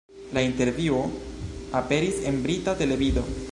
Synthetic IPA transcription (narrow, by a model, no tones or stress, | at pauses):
lainte̞ɾvioape̞ɾise̞nbɾitate̞le̞vido̞